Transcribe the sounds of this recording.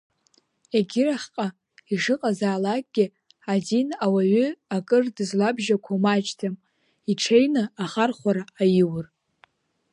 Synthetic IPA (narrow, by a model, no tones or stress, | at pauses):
eɡʲɪɾaχʲqʼa | iʂɨqʼazaːlakʼɡʲɪ | adinawaɥʏakʼɨrdɨzlabʒakʷʰamat͡ʃtʰam | iʈ͡ʂʰejnɨaχarχʷaɾaːjɪwɨr